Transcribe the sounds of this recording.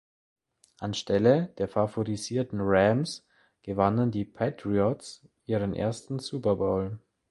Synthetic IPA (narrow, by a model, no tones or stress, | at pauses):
ʔanʃtɛləd̥eːɐfafoʁiziːɐtn̩ʁɛms | ɡ̥əvanəndiːpʰɛtʁiɔts | ʔiːʁənʔḛːɐstn̩suːpɐboːl